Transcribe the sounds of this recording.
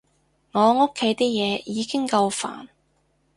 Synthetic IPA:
ŋɔː˨˧ŋo˥kʰːe˨˥jt̪iː˥k̚jɛː˨˧jiː˨˧kɪ˥ŋkɐ˧wfa̰ː˨˩n

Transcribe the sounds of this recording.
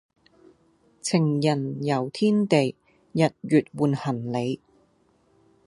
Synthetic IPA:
t͡sʰɪ˨˩ŋjɐ˨˩njɐ˨˩wt̪ʰiː˥nt̪e˨j | jɐ˨t̚jyː˨t̚wuː˨nhɐ˨˩nle˨˧j

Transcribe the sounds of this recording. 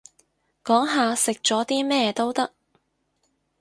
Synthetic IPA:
kɔː˨˥ŋɦaː˨˧sɪ˨k̚t͡ʃɔː˨˥t̪iː˥mɛː˥t̪o˥wt̪ɐ˥k̚

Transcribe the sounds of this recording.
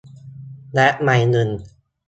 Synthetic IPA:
lɛ˦˥ʔma˧jnɯ˧˩n

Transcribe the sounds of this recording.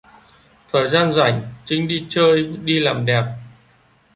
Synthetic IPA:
t̪ʰəː˨˩jzaː˧nzwa̰˧˩˨jŋ̟t͡ɕï˧˦ŋ̟ɗi˧t͡ɕəː˧jɗi˧laː˨˩mɗɛ˨˩p̚

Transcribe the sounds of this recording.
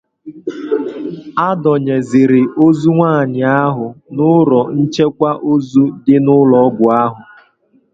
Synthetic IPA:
a˦dɔ˨ɲe˨zɪ˨ɾɪ˨ʔo˦zu˦ŋʷaː˦˨ɲɪ˨a˦ɦʊ˨nʊ˦ɾɔ˨n̩˦t͡ʃe˦kʷa˦ʔo˦zu˦dɪ˦nʊ˦lɔ˦ɡʷʊ˨a˦ɦʊ˨

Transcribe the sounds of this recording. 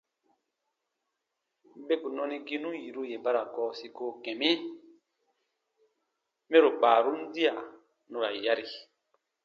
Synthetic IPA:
be˦ku˨nɔ˧ni˦ɡi˦nũ˦ji˨ɾu˦je˨ba˦ɾa˨kɔː˦si˦ko˦kɛ̃˨mi˦ | mɛ˦ɾo˨k͡paː˨ɾu˦n̩˦di˦a˨ | nũ˦ɾa˨ja˦ɾi˨

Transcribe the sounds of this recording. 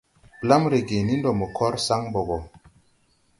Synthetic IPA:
pla˦mɾe˨ɡe˨ni˦ndɔ˨mə˨kʰɔ˦ɾsa˦ŋbo˨ɡɔ˨

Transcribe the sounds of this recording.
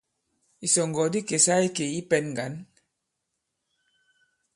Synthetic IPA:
i˨sɔ˨ŋɡɔ˨di˦ke˨sa˦i˦ke˨i˦pɛ˦nŋɡa˨˦n

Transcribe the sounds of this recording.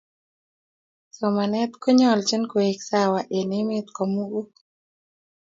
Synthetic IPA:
sɔ˨ma˨nɛ˦t̪ko˦ɲɔ˦˨lt͡ʃi˦nko˨e˨ksa˦wa˨ʔe˨nɪ˦mɪ˦t̪kɔ˨mu˦ɡo˦

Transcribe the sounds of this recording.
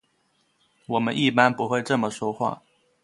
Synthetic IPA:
wɔ˨˩mə˦nʔi˥˩pa˥npu˧˥xwe˥˧ɪʈ͡ʂɤ˥˩mə˩ʂwɔ˥xwa̰˥˩

